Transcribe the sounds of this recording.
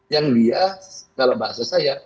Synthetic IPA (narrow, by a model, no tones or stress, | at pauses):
jaŋliakalabaasasaja